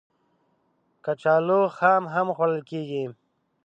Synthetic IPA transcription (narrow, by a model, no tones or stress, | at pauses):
kat͡ʃaːloxaːmɦamxwaɽəlkeɡi